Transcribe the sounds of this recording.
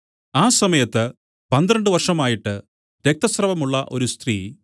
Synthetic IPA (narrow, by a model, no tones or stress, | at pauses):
aːsɐmɐjɐt̪ːɨ | pɐnd̪ɾɐɳɖɨʋɐrʂɐmaːjiʈːɨ | ɾek̚t̪ɐsrɐʋɐmuɭːɐʔo̞ɾust̪riː